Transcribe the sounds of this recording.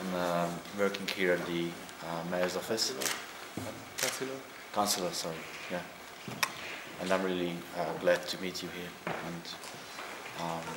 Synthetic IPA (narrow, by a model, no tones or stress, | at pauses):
ãɪ̃mʌwɜ˞kɪ̃ŋhiɹɨt̪̚ði | ʌmeɪəzʌ̥fɛstɪvəl̩ˠ | kslə | kʰãnsəl̩ˠəsɔɹi | jæ | ʔə̃nãɪ̃mɹɪliʌɡlɛd̚tʰɨmit͡ʃɨhiɹə̃n | ʌ̃m